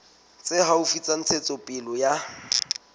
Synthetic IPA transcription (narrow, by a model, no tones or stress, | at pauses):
t͡sʼɪɦaufit͡sʼan̩t͡sʰet͡sʼɔpʼɪlɔja